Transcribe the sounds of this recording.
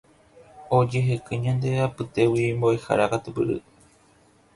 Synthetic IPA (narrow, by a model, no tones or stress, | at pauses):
od͡ʒeɦekɨɲãnd̪e̞apɨt̪e̞wimboeha̰ɾakat̪upɨɾɨ̰